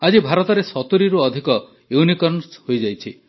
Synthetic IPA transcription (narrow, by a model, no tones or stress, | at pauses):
ad͡ʒibʱaɾɔt̪ɔɾesɔt̪uɾiɾuɔd̪ʱikɔ | ewnikɔɾɳshojd͡ʒajt͡ʃʰi